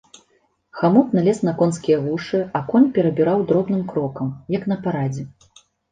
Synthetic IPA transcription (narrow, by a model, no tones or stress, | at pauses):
xamɔt̪nalʲɛsnɐkɔnskʲijɐɣuʂɨakɔnʲpʲɛɾɐbʲiɾawd̪ɾɔbnɨmkɾɔkɐmjɐkn̪ɐpaɾad͡zʲɛ